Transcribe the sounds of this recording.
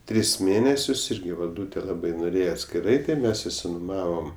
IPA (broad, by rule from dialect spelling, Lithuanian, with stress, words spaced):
ˈtʲrʲɪs ˈmʲeːnʲɛsʲʊs ˈɪrʲɡʲɪ ʋɐlˠˈduːtʲɛ ˈlˠɑːbɐɪ noːˈrʲeːjɛ ɐtʲsʲkʲɪˈrɐɪ tɐɪ ˈmʲɛs ɪsʲɪnʊˈmɑːʋoːm